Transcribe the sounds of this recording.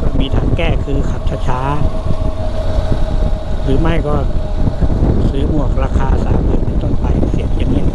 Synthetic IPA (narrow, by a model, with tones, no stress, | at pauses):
kɔː˧˩miː˧t̪ʰaː˨˧˩ŋkɛː˧˩kʰɯː˧kʰa˨˧˩p̚t͡ɕʰa˧˩t͡ɕʰaː˧˦˥ | ɾɯː˨˦ma˧˥˩jkɔː˧˩ | sɯː˨˦mu˨˩ək̚ɾaː˧kʰaː˧sa̰ː˨˦mɯː˧˩ma˧nt̪ɔ˥˩ŋpa˧˩jsi˨˩ət̚ja˧˦ŋni˧˩˨